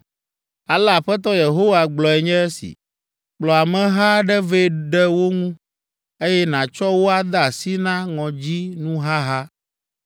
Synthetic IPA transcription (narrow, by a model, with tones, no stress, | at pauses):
a˨la˨ɸɛ˦t̪̬ɔ˦je˨ɦo˦wa˨ɡ͡blɔ˨ɛ˨ɲɛ̃˦ɛ˦sḭ˨ | k͡plɔ˨a˨mɛ̃˨ɦa˦ɖɛ˦ve˦ɖɛ˦wo˦ŋũ˦ | e˦jɛ˦nã˨t͡ʃɔ˦wo˦a˦d̪a˦˨a˨si˦nã˦ŋɔ̃˨d͡ʑi˦nũ˦ɦa˦ɦa˦